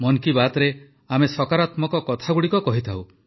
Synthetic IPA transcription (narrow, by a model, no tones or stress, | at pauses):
mɔnkibat̪ɔɾe | amesɔkaɾat̪mɔkɔkɔt̪ʰaɡuɽikɔkɔɦit̪ʰaw